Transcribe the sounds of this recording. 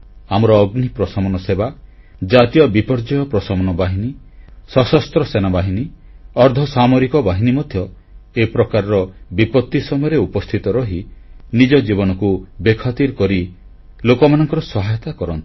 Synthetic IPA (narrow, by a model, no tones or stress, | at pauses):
amɔɾɔːɡnipɾɔsɔmɔnɔseba | d͡ʒat̪ijɔbipɔɾd͡ʒɔjɔpɾɔsɔmɔnɔbaɦini | sɔsɔst̪ɾɔsenabaɦiniɔɾd̪ʱɔsamɔɾikɔbaɦinimɔd̪ʱjɔ | epɾɔkaɾɔɾɔbipɔt̪ːisɔmɔjɔɾeupɔst̪ʰit̪ɔɾɔɦinid͡ʒɔd͡ʒibɔnɔkubekʰɔt̪iɾkɔɾi | lokɔmanɔŋkɔɾɔsɔɦajɔt̪akɔɾɔnt̪i̥